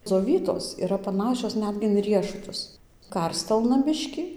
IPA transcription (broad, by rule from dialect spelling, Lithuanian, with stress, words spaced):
d͡zoːˈʋʲiːtoːs iːˈrɐ pɐˈnɑːʃʲoːs ˈnʲæːdʲɡʲɪ ɪn ˈrʲiɛʃʊtʊs ˈkɐrʲsʲtʲɛlˠnɐ ˈbʲɪʃʲkʲiː